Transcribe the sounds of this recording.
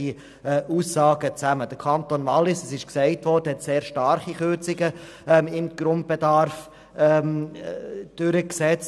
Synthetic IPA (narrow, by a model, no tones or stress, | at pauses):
i | ʔuːsːɑːɡət͡sæməd̥əkʰɑntoːnvɑlːɪsəsɪʃksɛɪtʋɔːdəhɛtseːɾʃtɑɾχiχøt͡sɪɡə | ɪmɡ̥ɾʊnd̚b̥edɑɾf | ɛm | d̥ʏɾəksɛt͡s